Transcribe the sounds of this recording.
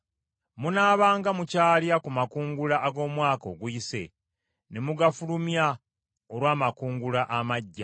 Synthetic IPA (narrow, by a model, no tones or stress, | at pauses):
munaːβaːŋɡamucaːljakumakuːŋɡulaʔːɡo̞ːmwaːko̞̰ːɡuise̞̰ | ne̞muɡafulumja | oɾwaːmakuːŋɡulaʔamaɟːa